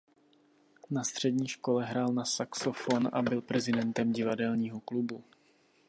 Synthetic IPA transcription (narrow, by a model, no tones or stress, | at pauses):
nast̪r̝̥ɛdɲiːʃko̞lɛɦɾaːlnasaksofonʔa̰bɪlpɾɛzɪdɛnt̪ɛmɟɪvadɛlɲiːɦo̞klubu